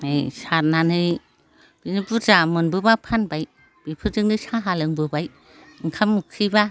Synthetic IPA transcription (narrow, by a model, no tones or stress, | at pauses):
ejsaɾnanɯj | b̥inibuɾzamɯnbɯbapʰanbaj | b̥ipʰɯzɯŋdɯsaɦalɯŋbɯbaj | ŋkʰamukʰiba